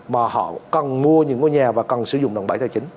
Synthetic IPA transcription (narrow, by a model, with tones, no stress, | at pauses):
maː˨˩hɔ̰˧˨kə˨˩nmu˧əɲɨ̰˧˥ŋo˧jɲaː˨˩vaː˨˩kə˨˩nsɨ˧˦zʊ̰˧˨ŋ͡mɗo˨˩ŋ͡mɓə˧˩˦t̪ʰaː˨˩t͡ɕï˨˦ŋ